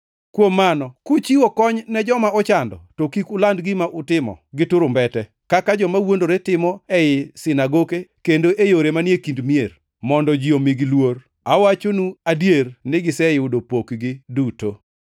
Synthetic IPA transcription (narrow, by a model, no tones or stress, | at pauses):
kwomːanɔkʊt͡ʃiwokɔɲnɛd͡ʒɔmaɔt͡ʃandɔ̰tokikʊlandɡɪmaʔʊtɪmɔ̰ɡɪtʊɾʊmbɛtɛ | kakad͡ʒɔmawondoɾetɪmɔɛjɪsɪnaɡokekendoʔejoɾemanjekindmier | mɔndɔd͡ʒiomɪɡilwor | awat͡ʃonuadjernɪɡɪsɛɪʊdopokɡɪduto